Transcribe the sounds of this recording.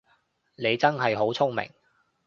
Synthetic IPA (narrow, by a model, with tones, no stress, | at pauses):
ne˨˧jt͡sɐ˥nɦɐ˨jɦo˨˥wt͡sʰʊ˥ŋmɪ̰˨˩ŋ